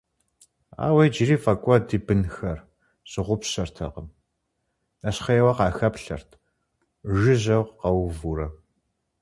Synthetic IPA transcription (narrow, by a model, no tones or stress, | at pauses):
a̰ːwejd͡ʒɪriːfɐkʷʼɔdiːbɨnxɐr | ɕʼɪʁʷʊpɕɐrtʰɐ̰qəm | nɐɕχɐjɛwɐqɑːxɐpɬɐ̰rtʰ | ʒɪʑɐwqqɐwvuɾɐ